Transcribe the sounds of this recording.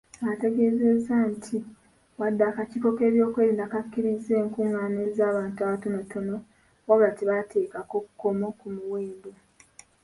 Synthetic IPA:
ate̞ɡe̞ze̞zːantʰi | wadːaːkaciko̞keːβjo̞ːkwe̞ːɾiːndakakːiɾizeːŋkuːŋːaːnezaːβaːntuaβatonotono̞ | waβɾatiβatʰe̞ːkako̞ku̥ko̞mo̞kumuweːndo

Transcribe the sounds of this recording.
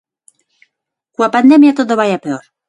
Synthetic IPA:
kuapand̪emjat̪oðoβajapeoɾ

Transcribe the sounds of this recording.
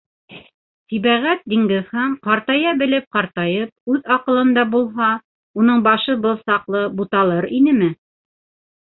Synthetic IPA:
siβæʁæt̪̚d̪iŋɡɘ̆ðhɑɴqɑɾt̪ɑjɑbɘ̆lɘp̚qɑɾt̪ɑjɤp̚ʉðɑqɤ̆lˠɤ̆nd̪ɑbulˠɦɑ | unɤɴbɑʃɤbɤlˠsɑqlˠɤbut̪ɑlˠɤɾinɘmɘ

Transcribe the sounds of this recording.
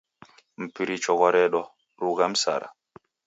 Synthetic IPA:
m̩piɾit͡ʃɔɡɔɾɛɗɔ | ɾuɡam̩sa̰ɾa̰

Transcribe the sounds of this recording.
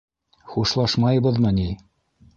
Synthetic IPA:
χuʃlˠɑʃmɑjbɤ̆ðmɤni

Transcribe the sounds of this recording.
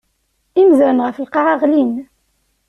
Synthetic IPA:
imzæɾnʁəfəlqɑʁɑʁlin

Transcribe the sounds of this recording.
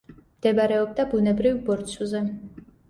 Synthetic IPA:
md̪̥ɛbɾɛɔb̚d̪abunɛbɾivbɔɾt̪sʰuzɛ

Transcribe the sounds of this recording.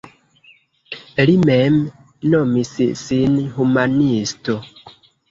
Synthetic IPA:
limɛm | nomisḭsinhumanisto

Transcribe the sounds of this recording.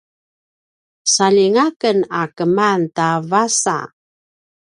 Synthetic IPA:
saliŋakənakəmantavasa̰

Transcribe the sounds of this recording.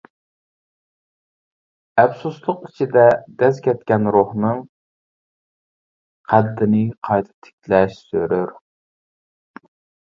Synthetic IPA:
ɛfsuslˠʊqit͡ʃʰid̪ɛd̪̥ɛzkʲʰɛt̪̚kʲɛnɾohnɨŋ | qʰæd̪ːɪnɪqʰɑjt̪ʰɨ̥p̚t̪ʰɪ̥kʲʰlɛʃsøɾøɾ

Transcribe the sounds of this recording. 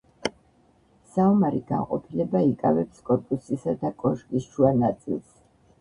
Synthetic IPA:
saumaɾiɡa̰nqʼɔ̰pʰilɛbaikʼa̰vɛpskʼɔɾpʼusisad̪akʼɔʃkʼisʃuanat̪sʼḭlˠs

